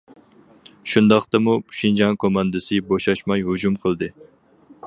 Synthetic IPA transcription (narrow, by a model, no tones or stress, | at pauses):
ʃund̪ɑχt̪ɨmuʃind͡ʒɑŋkʰomɑnd̪ɨsɨboʃɑʃmɑjɦud͡ʒumqʰəlˠd̪ɨ